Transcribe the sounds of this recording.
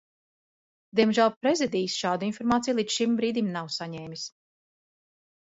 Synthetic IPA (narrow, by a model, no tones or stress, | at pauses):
d̪iɛmʒælˠpɾezid̪iːsʃaːd̪uinfɔɾmaːt̪sijulˠiːd̪ʃimbɾiːd̪imnawsaɲɛːmʲis